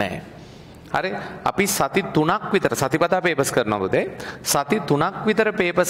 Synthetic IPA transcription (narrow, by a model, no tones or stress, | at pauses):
ɛ̰ | ɐ̰ɾeɐ̰pisɐt̪it̪unakʋit̪ɐɾɐsɐt̪ipɐt̪aːpeːpɐskɐɾnã̰but̪esɐt̪it̪unakʋit̪ɐɾɐpeːpɐs